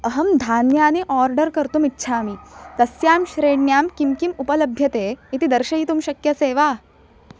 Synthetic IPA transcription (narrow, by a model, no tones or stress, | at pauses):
əɦɐmd̪ʱaːnjaːniʔɔɾɖəɾkəɾt̪umitːɕʰaːmit̪ɐsjaːmɕɾeːɽnjaːmkimkimupələbʱjɐt̪eit̪id̪əɾɕɐɦiːt̪umɕɐkjɐseːʋa